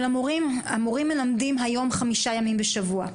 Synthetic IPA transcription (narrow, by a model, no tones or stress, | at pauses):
lamoʁiamoʁimːelamdimɦajo̞mχamiʃajamimbeʃavua